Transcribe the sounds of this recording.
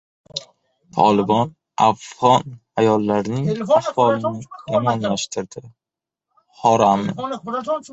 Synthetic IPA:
t̪ʰɒ̰lˠɪbɒn | afʁɒn | ajɒlˠːaɾnɪŋahvɒlɪnɪjemɒnlaʃt̪ʰɪɾd̪̥ɪ | hɒɾam

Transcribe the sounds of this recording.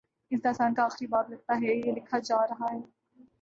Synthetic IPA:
ɪsd̪aːsaːnkaaːxɾibaːt̪lɐɡ̚t̪aɦɛjelɪkʰad͡ʒaːɾɐɦaɦɛː

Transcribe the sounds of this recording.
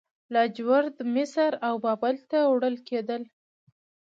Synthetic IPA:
lɑd͡ʒwaɾd̪mɪsəɾawbɑbalt̪awɽəlked̪əl

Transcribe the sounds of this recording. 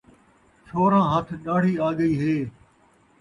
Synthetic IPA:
t͡ʃʰoːɾãːɦət̪ʰɗaːɽ̤iːaːɠəiːɦeː

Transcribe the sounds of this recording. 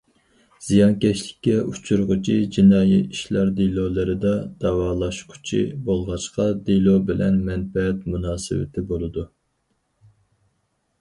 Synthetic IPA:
z̥ijɑnkʲɛʃlɪkʲːɛut͡ʃʰuɾʊʁʊt͡ʃʰid͡ʒinɑːjiiʃlɑɾd̪ilˠolˠɨɾɨd̪ɑd̪̥ɑwɑːlˠɑʃqʰʊ̥t͡ʃʰḭbolˠʁɑʃqɑd̪elˠobɪlɛ̰nmɛnfɛɛt̪munɑːsɪ̰wɪ̰t̪ʰɪbolˠɨd̪u

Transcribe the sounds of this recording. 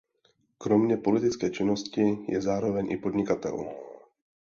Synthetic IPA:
kɾo̞mɲɛpo̞lɪt̪ɪt͡skɛːt͡ʃɪno̞scɪjɛzaːɾo̞vɛɲʔɪpo̞d̪ɲɪkat̪ɛ̰lṵ

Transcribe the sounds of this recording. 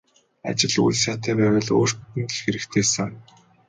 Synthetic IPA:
a̰t͡ɕɪ̆ɮṵɮsaːt̪ʰæːpæːwə̆ɮo̰ːr̥t̪ɘ̆nt̪̆ɮxeɾɘ̆kt̪ʰeːsaŋ

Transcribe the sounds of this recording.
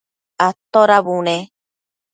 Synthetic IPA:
at̪oɾaβune

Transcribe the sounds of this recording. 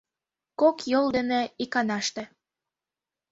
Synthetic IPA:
kokjold̪ənĕikɑnɑʃt̪ĕ

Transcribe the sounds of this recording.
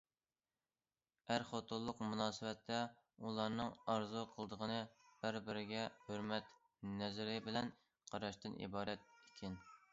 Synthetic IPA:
æɾχot̪ʰulˠːʊqmunɑːsɨwɛt̪ʰːɛ | ulˠɑɾnɨŋɑɾzuqʰəlˠd̪əʁənɨb̥ɪɾbɪɾɪɡʲɛhøɾmɛt̪ | nɛzɪɾɪbɪlɛn | qʰɑɾɑʃt̪ɨnʔḭbɑːɾɛt̪̚ekʲʰɪn

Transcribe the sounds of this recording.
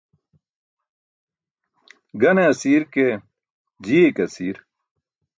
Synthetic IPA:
ɡɐneɐsiːɾke | d͡ʑiːekɐsiːɾ

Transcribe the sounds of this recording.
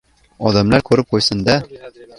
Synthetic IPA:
ɒðæmlæɾkʉɾɘp̚qujsɤnd̪æ

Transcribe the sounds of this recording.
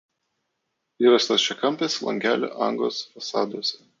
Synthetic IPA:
iːɾɐsʲt̪ɐst͡ʃʲɛkɐmʲpʲeslˠɐ̰ŋʲɡʲæ̰ːlʲo̰ːʔɐŋɡo̰ːsfɐsɑːd̪oːsʲɛ

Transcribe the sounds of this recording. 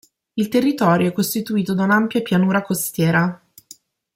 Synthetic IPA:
ilt̪erːit̪ɔːɾjoɛkːost̪it̪uiːt̪od̪aunampjapjanuːɾakost̪jɛːɾa

